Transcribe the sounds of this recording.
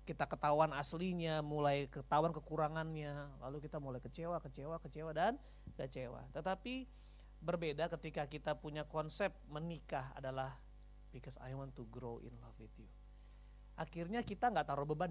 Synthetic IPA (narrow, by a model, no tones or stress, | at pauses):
kit̪akət̪awanasliɲamulajkət̪awankəkuɾaŋanɲala̰lukit̪amulajkət͡ʃewakət͡ʃewakət͡ʃewadan | kət͡ʃewa̰t̪ət̪api | bərbedakət̪ikakit̪apuɲakɔnsɛp̚mənikaɦa̰dalah | pikəsa̰jwant̪uɡɾoʔḭnlɔfid̪iu | ʔakirɲakit̪aŋɡaʔt̪aɾuhbəban